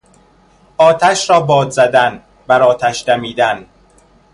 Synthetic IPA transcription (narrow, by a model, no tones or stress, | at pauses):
ʔɒːt̪ʰæʃɾɒːbɒːd̪zæd̪æn | bæɾɒːt̪ʰæʃd̪æmiːd̪æn